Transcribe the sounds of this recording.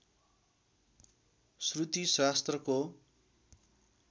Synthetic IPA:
srut̪isast̪rʌko

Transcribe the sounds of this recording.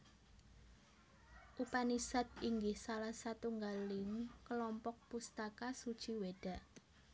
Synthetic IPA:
ʔupanisad̪iŋɡɪhsalahsat̪uŋɡalɪŋkəlɔmpɔk̚pust̪akasud̥ʒ̥iweɖ̥a̤ʔ

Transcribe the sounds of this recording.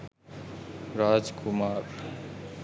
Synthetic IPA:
ɾaːd͡ʒkʰʊmaːɾ

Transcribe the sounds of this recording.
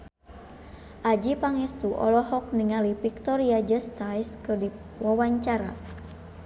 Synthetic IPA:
ʔad͡ʒipaŋɛst̪uʔɔ̰lɔɦɔk̚niŋalipik̚t̪ɔɾiad͡ʒəst̪ajskɨrdi | wawaɲt͡ʃaɾa̰

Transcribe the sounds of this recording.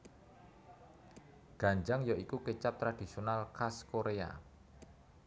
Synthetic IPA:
ɡ̥a̤ɲd͡ʒaŋjɔʔikukət͡ʃap̚t̪ɾad̥i̤sionalkaskoɾea̰

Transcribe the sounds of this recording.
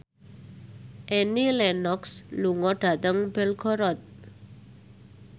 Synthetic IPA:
ʔɛnilɛnɔksluŋɔɖad̪əŋbelkʰɔɾɔt̪̚

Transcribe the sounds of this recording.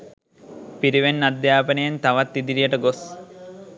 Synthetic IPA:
piɾiʋenːad̪jaːpənəjent̪aʋat̪ːid̪iɾijəʈəɡos

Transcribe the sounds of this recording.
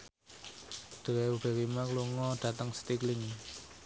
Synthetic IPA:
d̪̥əwɛub̥e̤wimakluŋɔɖ̥a̤t̪əŋsə̥t̪iklɪŋ

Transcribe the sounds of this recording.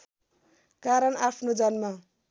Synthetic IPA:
kaɾʌnapʰnod͡zanma

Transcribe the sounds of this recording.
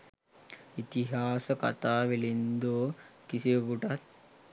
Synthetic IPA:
it̪iɦaːsɐkɐ̰t̪aːʋilind̪oːkisebuʈɐt̪

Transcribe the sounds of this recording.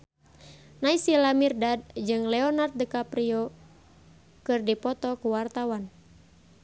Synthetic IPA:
naisilamirdad̚d͡ʒɨŋlɛɔnart̪̚dəkapɾiɔ | kɨrdipɔt̪ɔkuwart̪awan

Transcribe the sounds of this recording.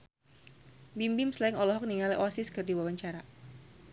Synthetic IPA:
bimbɪmslaɪŋɔlɔɦɔk̚niŋaleʔɔsɪskərdiwawaɲt͡ʃaɾa

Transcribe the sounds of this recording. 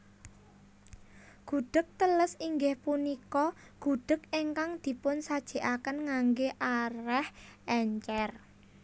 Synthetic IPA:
ɡ̥ṳɖ̥ə̤k̚t̪ələsiŋɡɪhpunikɔ | ɡ̥ṳɖ̥ə̤keŋkaŋd̪̥i̤pʊnsad̥ʒ̥e̤ʔakənŋaŋɡeʔaɾɛhɛɲt͡ʃɛr

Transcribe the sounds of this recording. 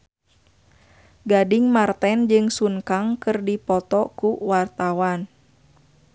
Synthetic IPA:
ɡadɪŋmart̪ɛnd͡ʒɨŋsuŋkaŋkɨrdipɔt̪ɔkuwart̪awan

